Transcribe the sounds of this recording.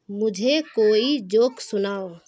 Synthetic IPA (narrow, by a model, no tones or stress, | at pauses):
mʊd͡ʒʱekoid͡ʒoksunao